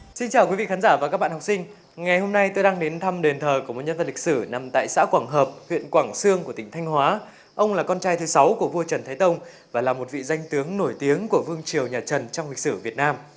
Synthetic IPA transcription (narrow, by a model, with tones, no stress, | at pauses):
si˧nt͡ɕaː˨˩wkwi˨˦vḭ˧˨xaː˨˦nzaː˧˩vaː˨˩kaː˦˥kɓa̰ː˧˨nhk͡p̚sï˧ŋ̟ | ŋa˨˩jho˧mna˧jt̪o˧jɗaː˧ŋɗe˨˦nt̪ʰa˧mɗe˨˩nt̪ʰəː˨˩ku˧˩əm˨˩t̚ɲə˧nvə˨˩li˨k̚sɨ˧˩na˨˩mt̪a̰ː˧˨jsa̰ː˧˥kwaː˧˩ŋɦəː˨˩p̚hwḭ˧˨ənkwaː˧˩ŋsɨ˧əŋku˧˩ət̪ï˧˩ŋ̟t̪ʰa˧jŋ̟hwaː˨˦ | ʔə˧wŋ͡mlaː˨˩kɔ˧nt͡ɕaː˧jt̪ʰɨ˨˦sa˨˦wku˧˩əvu˧ət͡ɕə˨˩nt̪ʰaː˨˦jt̪ə˧wŋ͡m | vaː˨˩laː˨˩mo˨˩t̚vḭ˧˨za˧jŋ̟t̪ɨ˨˦əŋno˧˩jt̪i˨˦əŋku˧˩əvɨ˧əŋt͡ɕi˨˩əwɲaː˨˩t͡ɕə˨˩nt͡ɕɔ˧wŋ͡mlï˨˩k̚sɨ˧˩vi˨˩ət̚naː˧m